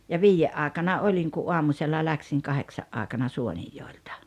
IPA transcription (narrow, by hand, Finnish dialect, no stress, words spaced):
jɑ ʋiːjːeʔ ʔɑːeˑkɑnɑ olʲiŋ ku ʔuɑmusʲelːɑ læksiŋ kɑheksɑʔ ʔɑːĕkɑnɑ suonijːoˑeltɑ̥